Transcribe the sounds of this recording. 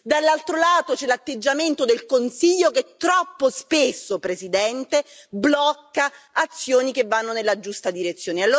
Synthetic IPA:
d̪alːalt̪ɾolaːt̪ot͡ʃɛlat̪ːed͡ʒːament̪od̪elkonsiʎːoket̪ːɾɔpːospesːopɾesid̪ɛnt̪eblɔkːaːt̪sːjoːnikevːanːonelːad͡ʒust̪ad̪iɾet̪sːjoːnealːoː

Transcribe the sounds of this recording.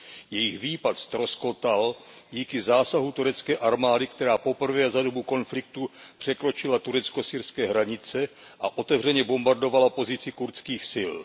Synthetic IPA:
jɛjɪxviːpat̪st̪ɾo̞sko̞t̪alɟiːkɪzaːsaɦut̪uɾɛt͡skɛːʔaɾmaːdɪkt̪ɛɾaːpo̞pr̩vɛːzado̞buko̞nflɪk̚t̪upr̝̥ɛkɾo̞t͡ʃɪlat̪uɾɛt͡sko̞siːɾskɛːɦɾaɲɪt͡sɛ | ʔaʔo̞t̪ɛvr̝ɛɲɛbo̞mbaɾdo̞valapo̞zɪt͡sɪkuɾt͡skiːxsɪl

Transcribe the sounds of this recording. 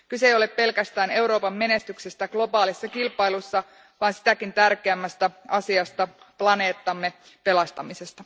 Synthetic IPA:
kysejo̞leppe̞lkæst̪æːne̞uɾo̞ːpɑmːme̞ne̞st̪yksest̪æɡ̥lo̞bɑːlisːɑkilpɑjlusːɑ | ʋɑːnsi̥t̪ækint̪ærkeæmːæst̪æɑsiɑst̪ɑ | plɑne̞ːt̪ːɑmːe | pe̞lɑst̪ɑmise̞st̪ɑ

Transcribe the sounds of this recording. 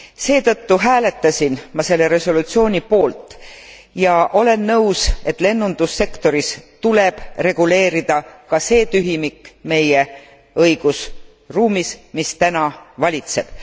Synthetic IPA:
se̞ːt̪ɤt̪ːuɦæːle̞t̪ːˑɑsʲinmɑse̞lːe̞ɾe̞so̞lut̪sio̞ːnʲipo̞ːlt̪ˑ | jɑʔo̞le̞nːɤ̞wse̞t̪ːˑle̞nːund̪̥usːe̞kt̪o̞ɾist̪ule̞b̥re̞ɡ̥ule̞ːɾid̪̥ɑkɑse̞ːt̪yɦimikːme̞je | ɤ̞jɡ̥us | ruːmismist̪ænɑvɑlʲit̪se̞b̥

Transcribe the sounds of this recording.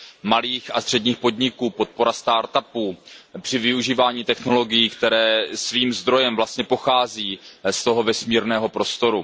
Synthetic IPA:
maliːxast̪r̝̥ɛdɲiːxpo̞d̪ɲɪkuːpo̞t̪̚po̞ɾast̪aːɾt̪apuːpr̥ɪvɪuʒiːvaːɲiːt̪ɛxno̞lo̞ɡɪjiːkt̪ɛɾɛːsviːmzd̪ɾo̞jɛmvlast̪ɲɛpo̞xaːziːst̪o̞ɦo̞vɛsmiːɾnɛːɦo̞pɾo̞st̪o̞ɾu

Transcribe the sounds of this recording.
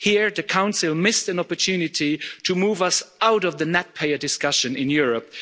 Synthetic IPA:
hiɹðɨkʰãʊ̃nsɪlˠmɪstɨ̃nɑpətʰʉnɪtitʰɨmuːvʌsaʊɾʌvðɨnɛt̚pʰeɪə˞dɪskʌʃɨ̃nɪ̃njʊɹəp̚

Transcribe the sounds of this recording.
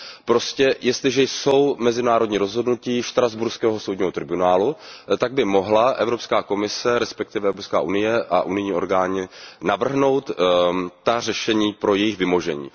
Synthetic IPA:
pɾo̞scɛjʔɛst̪lɪʒɛjso̞wmɛzɪnaːɾo̞dɲiːɾo̞zɦo̞dnuciːʃt̪ɾazbuɾskɛːɦoso̞wdɲːɦo̞t̪ɾɪbunaːlut̪aɡ̚bɪmo̞ɦlaʔɛvɾo̞pskaːko̞mɪsɛɾɛspɛk̚t̪ɪvɛɛvɾopskaːʔunɪjɛʔaʔunɪjɲiːʔo̞ɾɡaːɲɪnavr̩ɦno̞wt̪ː | ar̝ɛʃɛɲiːpɾo̞jɛjɪxvɪmo̞ʒɛ̰ɲḭː

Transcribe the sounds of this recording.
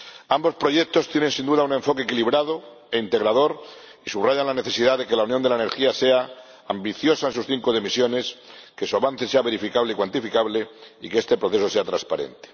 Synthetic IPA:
ambo̞spɾo̞ʝe̞k̚t̪o̞st̪jenẽ̞nsind̪uðaune̞ɱfo̞kekiliβɾaðo | e̞int̪e̞ɣɾaðo̞ɾ | isuβraʝanlane̞θe̞siðaðe̞ke̞launjond̪e̞laene̞ɾxiase̞aː | mbiθjo̞saensusθiŋkoðimisjo̞ne̞ske̞suaβan̟θe̞seaβe̞ɾifikaβleikwant̪ifikaβleikeest̪e̞pɾo̞θe̞sose̞at̪ɾaspaɾe̞̰nt̪e̥

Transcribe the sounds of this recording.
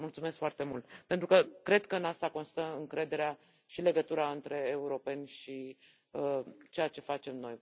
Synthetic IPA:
mult̪sumeskfoart̪e̞mult̪pent̪ɾukəkɾe̞d̪kəɨnast̪ako̞nst̪əɨŋkɾe̞d̪e̞ɾea | ʃile̞ɡət̪uɾaɨnt̪ɾe̞ːuɾo̞pe̞nʲʃi | ət͡ʃejat͡ʃe̞fat͡ʃe̞mno̞̰j

